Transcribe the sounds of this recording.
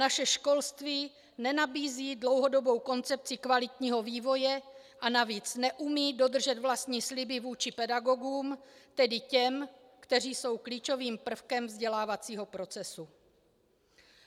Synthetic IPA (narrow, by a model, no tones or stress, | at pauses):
naʃɛʃko̞lst̪viː | nɛnabiːziːdlo̞wɦodobo̞wko̞nt͡sɛp̚t͡sɪkvalɪt̪ɲiːɦo̞viːvo̞jɛ | ʔanaviːt͡snɛʔumiːdo̞d̪r̩ʒɛt̪vlast̪ɲiːslɪbɪvuːt͡ʃɪpɛdaɡo̞ɡuːmt̪ɛdɪcɛm | kt̪ɛr̝iːso̞wkliːt͡ʃo̞viːmpr̩fkɛmvzɟɛlaːvat͡siːɦo̞pɾo̞t͡sɛsu